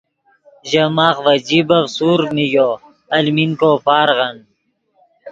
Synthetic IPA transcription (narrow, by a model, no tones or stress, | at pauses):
ʑɐmaːχʋɐd͡ʑibɐfsuːɾmijo | ɐlminkopaːɾʁɐn